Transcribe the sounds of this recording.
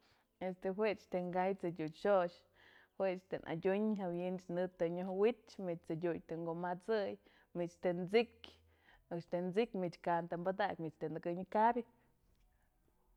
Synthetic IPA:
est̪eɦweʔt͡ʃt̪eŋɡajt͡sɨdʲuʃoʃ | hweʔt͡ʃt̪enʔa̰dʲuɲɦawjint͡ʃnɨt̪eɲohwit̪mit͡ʃt͡sɨdʲujt̪eŋɡoʔmat͡sɨj | mit͡ʃt̪ent͡sikʲ | ɨkʃt̪end͡zikʲmit͡ʃkant̪ambad̪akʲmit͡ʃt̪enɨɡɨɲkabʲi

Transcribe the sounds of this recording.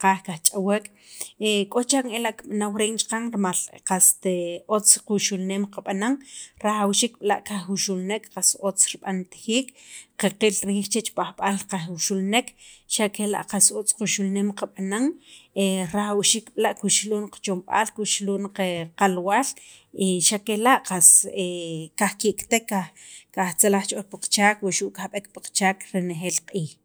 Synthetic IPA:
qaːχkaχt͡ʃʼawekʼ | ekʼot͡ʃaŋelaʔkiɓanawɾeːŋt͡ʃqaŋɾmalqast̪eot͡squʃulneːmqaɓanaŋɾaχawʃiːk̚ɓla̰ʔkaχuʃulnekqasot͡sɾiɓant̪χiːkqeqilɾiːχt͡ʃet͡ʃpʼaχɓalqaχwuʃulnekʃakela̰ʔqasot͡squʃulneːmqaɓ̥anaŋeɾaxawʃikɓ̥laʔkuʃluːnqḁt͡ʃomɓa̰ːlkuʃluːnqeqalwaːl | iʃakelaʔqasekaχkiʔkt̪ekːa | kaχt͡selaχt͡ʃʔolpaqt͡ʃaːkwuʃuʔkahɓekpaqt͡ʃaːkɾenexeːlqʼiːx

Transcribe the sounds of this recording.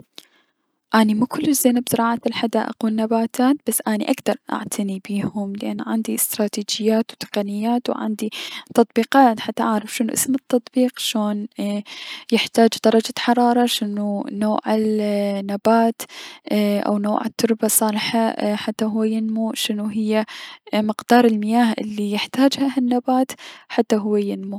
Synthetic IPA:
ʔaːnimukʊlːɪʃzeːnabzɾˤɑːʕat̪ɪlħad̪aːʔa̰quːnnːabaːt̪ʰaːt̪b̥asːʔaːniʔaɡd̪ɑɾˤʔa̰ʕt̪ʰanibiːhʊmlɪʔanːʕand̪iɪst̪ɾˤɑːt̪iːd͡ʒɪjːaːt̪wt̪ɪ̥qɑnɪjːaːt̪wʕa̰nd̪it̪ɑt̪ˤbiːqɑːt̪ħat̪ːaʔaʕɾˤɑfʃɪnuʔɪ̰smɪt̪ːɑt̪ˤbiːqʃoːn | jɪħt̪aːd͡ʒd̪ɑɾˤɑd͡ʒaħɑɾˤɑːɾˤɑʃɪnunoːʕɪlnːabaːt̪ | ʔa̰wnoːʕɪt̪ːʊɾˤbasˤɑːlħaħat̪ːaɦʊwːejɪnmuʃɪnuɦɪjːamɪqd̪̥ɑːɾˤɪlmɪjaːhʔɪ̰lːijɪħt̪aːd͡ʒhahanːabaːt̪ħat̪ːaɦʊwːejɪnmu

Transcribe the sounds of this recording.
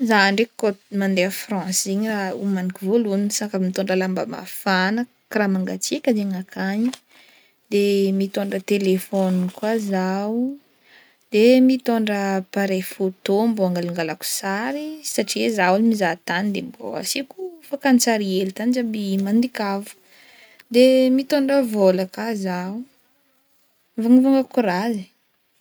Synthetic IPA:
zaɳɖ͡ʐekkomand̪eafrɑ̃sziɲiraṵmanikuvoluninsakamit̪oɳɖ͡ʐəlambə̰ma̰fanə | kramaŋɡat͡sikʲazeŋakʰaɲi | d̪̥emit̪oɳɖ͡ʐət̪elefɔnkwazaw | d̪̥emit̪oɳɖ͡ʐəpaɾefot̪omboaŋɡalaŋɡalaku̥saɾisaʈ͡ʂizawalimizat̪anid̪embo̰a̰sikufakant͡saɾielit̪anid͡ʒabimand̪ikavu̥ | d̪emit̪oɳɖ͡ʐəvolakazau | vaŋivaŋɡakuɾazi

